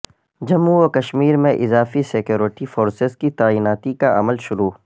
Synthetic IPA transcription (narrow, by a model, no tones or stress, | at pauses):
d͡ʒɐmːuoːkɐʃmiːɾmẽʔɪzaːfisekjoːɾɪʈifoːɾsɪzkit̪aːiːnaːt̪ikaʔɐ̰məlʃʊɾuː